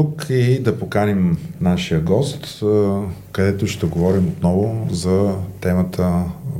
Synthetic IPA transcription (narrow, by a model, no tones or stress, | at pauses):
t̪ukid̪ɐpokanɛmnaʃijəɡɔst̪ | kɐd̪ɛt̪ʊʃt̪ɛɡovɔɾimot̪nɔvʊzɐt̪ɛmət̪ʰə